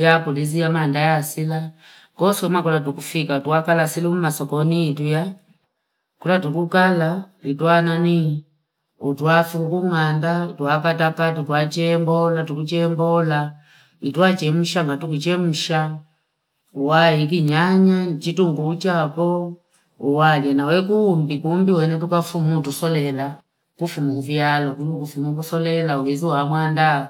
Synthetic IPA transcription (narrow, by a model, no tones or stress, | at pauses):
jakuliziamandajasila | kɔsɔmakulatukufikatuakalasilum̩masɔkɔniːtuja | kulatukukalalitwanani | utwafukuŋandatuakatakatutwat͡ʃɛmbɔlatukut͡ʃɛmbɔla | ituat͡ʃɛm̩ʃaŋɡatukut͡ʃɛm̩ʃa | uwaik̬iɲaɲat͡ʃituŋɡuːt͡ʃapɔ | uwaljanawɛkuːmbikumbiwɛnɛt̬ukafumutusɔlɛla | kufumukuvjalɔkunukufumukusɔlɛlauwɛziwamwanda